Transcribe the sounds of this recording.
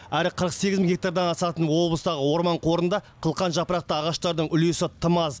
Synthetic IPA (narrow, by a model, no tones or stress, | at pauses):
æɾɪqʰəɾəqse̞ɡʲɪzmɡʲek̚t̪aɾd̪ɑnɑsɑt̪ənwo̞blˠəst̪ɑʁəwo̞ɾmɑɴqʰo̞ɾənd̪ɑqʰəlˠqɑnʒɑpəɾɑq̚t̪əɑʁɑʃt̪ɑɾd̪əɴʏle̞sɪt̪ʰəmɑz